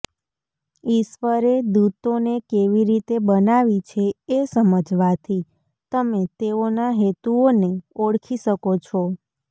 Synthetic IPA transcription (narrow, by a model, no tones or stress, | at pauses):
iʃʋəɾed̪ut̪onekeʋiɾit̪ebənaʋit͡ʃʰeesəməd͡ʒʋat̪ʰi | t̪əmet̪eonaɦet̪uoneoɽkʰiʃəkot͡ʃʰɔ